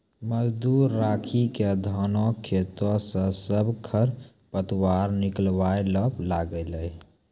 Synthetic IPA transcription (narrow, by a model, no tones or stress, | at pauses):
məd͡ʒd̪uɾːakʰiked̪ʱɔnokʰːet̪ɔsə̃səbʱkʰəɾ | pət̪waɾniklbajləplaɡɛləj